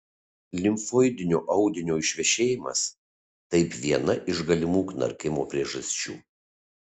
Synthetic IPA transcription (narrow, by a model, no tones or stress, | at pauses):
lʲɪmfoːjd̪ʲɪnʲoːʔɐʊd̪ʲɪnʲoːɪʃʲʋʲɛʃʲeːjɪmɐ̰s | t̪ɐɪpʋʲiɛnɐʔɪʒɡɐlʲɪmuːknɐ̰ɾʲkʲɪmoːpʲɾʲiɛʒɐsʲt͡ʃʲṵː